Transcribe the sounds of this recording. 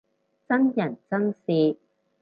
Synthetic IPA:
t͡sɐ˥njɐ˨˩nt͡sɐ˥ŋsiː˧

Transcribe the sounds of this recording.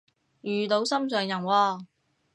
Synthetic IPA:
jyː˨t̪o˨˧˥wsɐ˥msœː˨˧ŋjɐ˨˩nwɔː˧

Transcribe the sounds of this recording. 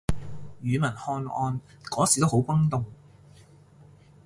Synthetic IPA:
jyː˨˧mɐ˨˩nhɔː˧nɔː˧n | kɔː˨˥si˨˩t̪o˥ho˨˥wkɐ˥ŋt̪ʊ˨ŋ

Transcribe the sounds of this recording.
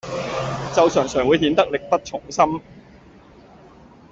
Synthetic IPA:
t͡sɐ˨wsœː˨˩ŋsœː˨˩ŋwuː˨˧jhiː˨˧˥nt̪ɐ˥k̚lɪ˨k̚pɐ˥t̚t͡ʃʰʊ˨˩ŋsɐ˥m

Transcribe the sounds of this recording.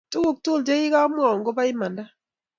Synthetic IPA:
tu˦wo˦˨k̚tu˦˨ld͡ʒe˦ɪ˦ka˦m˦ɔ˨ŋɡo˦ba˦ɪ˦ma˨nda˦

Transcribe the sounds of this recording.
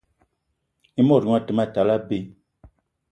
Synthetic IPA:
i˦mɔ˦˨ɾu˨ŋa˦˨tə˨ma˦˨ta˨la˦be˦˨

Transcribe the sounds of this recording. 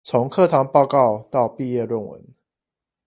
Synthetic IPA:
t͡sʰo˨˦ŋkʰɤ˥˨t̪ʰɑ˨˧˥ŋpɑ˥˧ʊkɑ˥˨ʊt̪ɑ˥˨ʊpi˥˧jɛ˥˧lwə˥˨˩nwə̰˨˧˦n

